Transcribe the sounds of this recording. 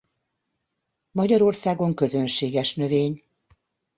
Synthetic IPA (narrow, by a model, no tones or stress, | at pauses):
mɒɟɒɾo̞rsaːɡo̞ŋkøzønʃeːɡɛʃnøveːɲ